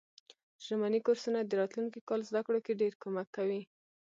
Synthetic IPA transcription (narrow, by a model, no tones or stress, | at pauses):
ʒ̥amanikoɾsunad̪əɾɑt̪luŋkikɑlzd̪akɽokeɖeɾkomakːawi